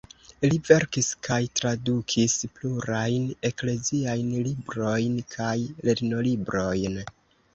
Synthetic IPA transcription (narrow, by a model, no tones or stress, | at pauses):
live̞ɾkiskʰajtɾadukʰispluɾajne̞kle̞ziajnlibɾo̞jnkʰajle̞ɾno̞libɾo̞jn